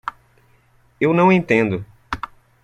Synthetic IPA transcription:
ewnɐ̃w̃ẽnt̪ẽnd̪ʊ

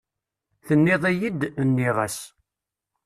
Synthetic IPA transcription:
θənːɪðˤæjid̪ənːiʁæ̰s

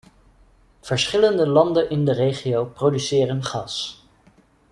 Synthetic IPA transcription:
v̥əɹsχɪləndəlɑndənʔɪndərejχiowprowdysɪːrənχɑs

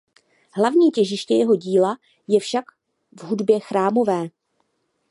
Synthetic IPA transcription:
ɦlavɲiːcɛʒɪʃcɛjɛɦo̞ɟiːla | jɛfʃak | vɦudbjɛxɾaːmo̞vɛː

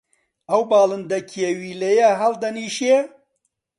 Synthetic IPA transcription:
ɐwbaːlɨnd̪ɐkʰiewiːlejaɦɐld̪ɐniːʃe

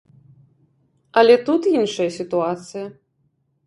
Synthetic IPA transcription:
ɐlʲɛt̪ut̪inʂɐjɐsʲit̪uat̪sɨjɐ

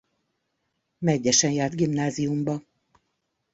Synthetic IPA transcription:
mɛɟːɛʃɛnjaːrd̪ɡimnaːzijumbɒ

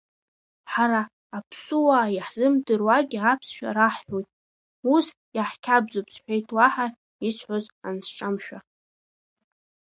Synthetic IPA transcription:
ħaɾaː | pʰsuwaiħz̥ɨmdɨrwaɡʲiapʰsʃᶣa̰ɾaħħʷᶣojtʼ | us | jaħkʲʰabd͡zopʰsħʷᶣejtʼʰwaħa | isʰħʷozansʈ͡ʂʼamʃᶣa

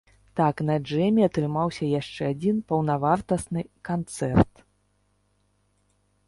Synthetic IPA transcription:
t̪aknɐd͡ʐɛmʲiat̪ɾɨmawsʲɐjaʂt͡ʂɛad͡zʲinpɐwnavart̪ɐsnɨkant̪sɛrt̪

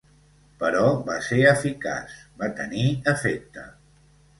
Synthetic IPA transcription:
pəɾɔβaseəfika̰sbat̪əniəfek̚t̪ə̰

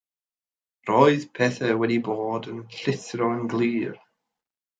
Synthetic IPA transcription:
rɔɨðpʰɛθəwɛdiboːdənɬɪθɾɔənɡlˠiːr

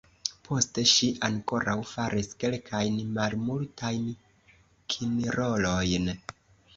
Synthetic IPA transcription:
pʰo̞ste̞ʃiʔaŋko̞ɾʔawfaɾʔiske̞lkʰajnmalmultʰajn | kʰiniɾo̞lojn

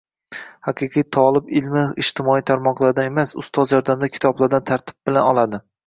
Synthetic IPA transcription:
haqʰɨqʰɨjt̪ʰɒlˠɪbɪlmɪɪʃt̪ʰɪmɒijt̪ʰaɾmɒqlˠaɾd̪anemasʊ̰st̪ʰɒzjɒɾd̪amd̪akʲʰɪ̥t̪ʰɒblˠaɾd̪ant̪ʰaɾt̪ʰɪ̥b̚bɪlanɒlˠad̪ɪ

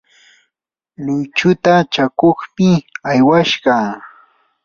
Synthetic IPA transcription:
lʊjt͡ʃʊt̪at͡ʃakoχmɪajwaʃɢɑ

